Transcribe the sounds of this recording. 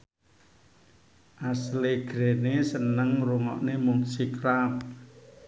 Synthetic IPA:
ʔasleɡ̥ɾenesənəŋruŋɔ̰ʔnemʊŋsikɾap

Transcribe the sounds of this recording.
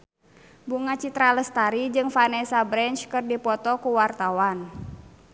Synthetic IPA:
buŋat͡ʃit̪ɾaləst̪aɾid͡ʒɨŋfanɛsabɾɛnt͡ʃkɨrdipɔt̪ɔkuwart̪awan

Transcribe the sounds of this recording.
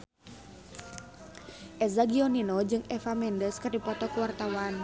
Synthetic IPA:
ʔɛzaɡioninod͡ʒɨŋefamɛndəskɨrdipɔt̪ɔkuwart̪awan

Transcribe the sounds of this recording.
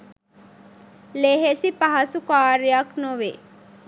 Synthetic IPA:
leɦesipɐɦɐsukaːɾijaknoʋe

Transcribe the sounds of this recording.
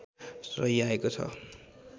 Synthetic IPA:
srʌjaekot͡sʰʌ̰

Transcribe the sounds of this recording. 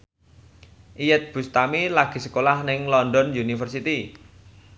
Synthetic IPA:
ʔijɛt̪̚b̥ṳst̪amilaɡ̥i̤sə̥kolahnɪŋlɔndɔnjunifərsit̪i

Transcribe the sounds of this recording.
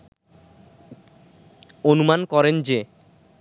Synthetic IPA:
onumankɔɾend͡ʑe

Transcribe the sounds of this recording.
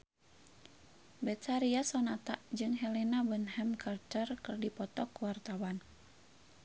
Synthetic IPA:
bɛt̪saɾiasɔnat̪aʔd͡ʒɨŋɦɛlinabənhɛmkʰart̪ərkɨrdipɔt̪ɔkuwart̪awan

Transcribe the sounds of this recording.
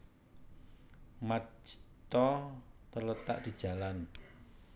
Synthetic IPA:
mḁd͡ʒ̥i̥t̪ɔt̪ərlət̪a̰ʔd̪̥i̤d̥ʒ̥ä̤lan

